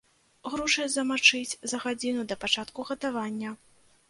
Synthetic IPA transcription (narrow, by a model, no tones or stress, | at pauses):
ɣɾɔʂɐjzɐmat͡ʂɨt͡sʲzɐɣad͡zʲinud̪ɐpat͡ʂat̪kuɣɐt̪avanʲːɐ